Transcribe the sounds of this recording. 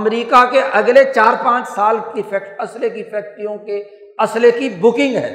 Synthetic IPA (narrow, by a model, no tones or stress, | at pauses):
ɐmɾiːkakeʔɐɡlet͡ʃaːɾpãːt͡ʃsaːlkifʰɛkʈɐslekifʰɛːk̚ʈijõke | ɐslekibʊkɪ̃ŋɡɦɛ̰ː